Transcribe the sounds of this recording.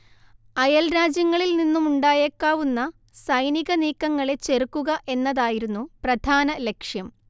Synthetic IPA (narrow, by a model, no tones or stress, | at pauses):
ɐjɐlɾaːd͡ʑjɐŋːɐɭilninːumuɳɖaːjekːaːʋunːɐ | sɐjniɣɐniːkːɐŋːɐɭe̞t͡ɕe̞rukːuɣɐʔe̞nːɐðaːjiɾunːuprɐd̪ʱaːnɐle̞kʂjɐm